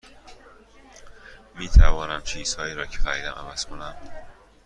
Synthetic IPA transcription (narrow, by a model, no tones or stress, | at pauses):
miːt̪ʰæ̰vɒːnæmt͡ʃʰiːz̥hɒːiːɾɒːcʰefæɾiːd̪æmʔæ̰væz̥kʰo̞næn